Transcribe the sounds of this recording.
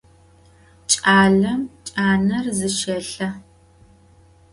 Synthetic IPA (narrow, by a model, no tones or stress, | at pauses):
t͡ʃʼaːɮɐmt͡ʃʼaːnɐrzɨʃɐɬɐ